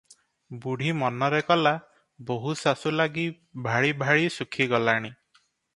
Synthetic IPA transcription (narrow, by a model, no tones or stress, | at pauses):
buɽ̤imɔnɔɾekɔla | boɦusasulaɡi | bʱaɭibʱaɭisukʰiɡɔlaɽ̃i